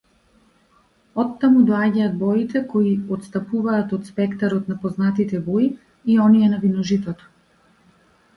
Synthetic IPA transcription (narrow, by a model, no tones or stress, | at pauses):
ɔt̪ːamud̪ɔaɟaːd̪̚bɔit̪ɛkɔiɔt̪st̪apuvaːt̪ɔt̪spɛkt̪aɾɔt̪napɔznat̪it̪ɛbɔi | iɔniɛnavinɔʒit̪ɔt̪ɔ̥